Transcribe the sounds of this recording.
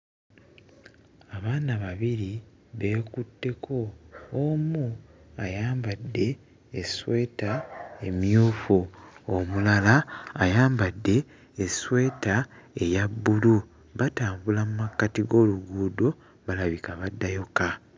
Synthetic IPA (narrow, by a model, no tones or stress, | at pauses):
aβaːnaβaβiɾi | βe̞ːkutːe̞kʰo̞ː | muajaːmbadːe̞ː | swe̞ːtae̞mjuːfuomulalaːjaːmbadːe̞ː | swe̞ːtaejabːulu | βataːmbulamumakːatiɡo̞ːluɡuːdo | βalaβikaβadːajo̞ka